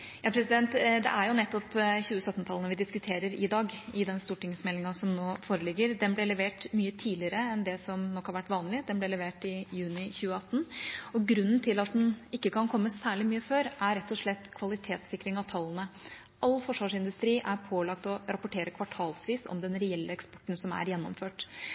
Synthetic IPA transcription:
jɑːpʰɾɛsɪd̪ɛnt̪d̪ɛ̰ʔæɾjʊnɛt̪ːɔpçʉːəsœt̪ːnət̪ʰɑlnəʋɪd̪ɪskʉt̪ʰeːɾəɾɪd̪ɑːɡɪd̪ɛnst̪uːʈɪŋsmɛlːɪŋɑsɔmnoːfoːɾəlɪɡːəɾd̪ɛnblɛlɛʋeːʈmyːət̪ʰiːdlɪəɾəɛnd̪ɛsɔmnɔkːhɑɾʋæʈːʋɑːnlɪd̪ɛnblɛlɛʋeːʈɪjʉːnɪçʉːəɑt̪ːn̩ɔɡɾʉnːnt̪ʰɪlɑt̪̚d̪ɛnɪkːəkʰɑnkʰɔmːəsæːɭɪmyːəføːɾʔæɾɾɛt̪ːɔʂɭɛt̪ːkʰʋɑlɪt̪ʰeːt̪sɪkːɾɪŋɑʋt̪ʰɑlːənə | ʔɑlːfɔʂʋɑːʂɪnd̪ʉst̪ɾiːʔæɾpʰoːlɑk̚t̪ɔɾɑpʊʈʰeːɾəkʰʋɑʈʰɑːlsʋiːsɔ̰md̪ɛnɾɛɛlːəɛkspɔ̥ʈːn̩sɔmæ̰ɾjɛnːɔ̰mføːʈ

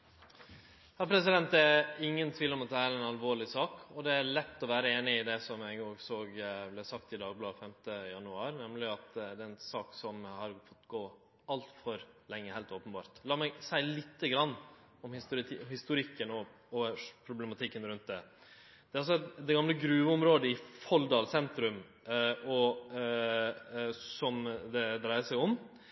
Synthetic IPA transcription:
hɑpʰɾɛsɪd̪ɛnt̪̚d̪ɛæɪŋːənt̪ʰʋiːləɾɔmɑt̪̚d̪ɛæɾɛnɑlʋoːɭɪsɑːkɔd̪ɛæɾɭɛt̪ːɔʋæːɾəeːnɪɪd̪ɛsɔmɛɡoːɡsoːɡblɛsɑkt̪ɪd̪ɑːɡ̚blɑːfɛmt̪əjɑnʉɑːɾnɛmlɪɑt̪d̪ɛɛnsɑːksɔmhɑɾfɔt̪ːɡoː | ɑlt̪fɔɾlɛŋːəhæɪlt̪oːpənbɑ̰ːɾt̪lɑːɾmæɡsæɪlɪt̪ːəɡɾɑnː | ɔmhɪst̪hɪst̪ʊɾɪkːənɔ | ɔpʰɾʊblɛmɑt̪ʰɪkːənɾʉnt̪̚d̪ɛ | d̪̥ɛɾɑlsɔɛt̪d̪ɛɡɑmləɡɾʉːʋəɔmɾoːd̪əɪfɔld̪ɑːlsɛnt̪ɾʉm | ɔ | sɔmd̪ɛd̪ɾæɪəsæɪɔm

